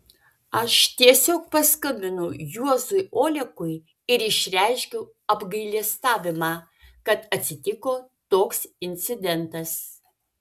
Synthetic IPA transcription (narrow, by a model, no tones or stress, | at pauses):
ɐʃt̪ʲiɛsʲoːk̚pɐskɐmʲbʲɪnʊjuɔzʊjʔoːlʲɛkʊɪ | ɪɾɪʃʲɾʲæɪʃʲkʲʊ | ɐbɡɐɪlʲiɛst̪ɑːʋʲɪmɑː | kɐt̪ɐt̪ʲsʲɪt̪ʲɪkoː | t̪oːksɪnʲt̪sʲɪd̪ʲɛnt̪ɐs